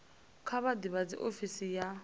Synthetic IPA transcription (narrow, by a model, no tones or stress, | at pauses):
kʰaβadiβad͡zḭʔofisija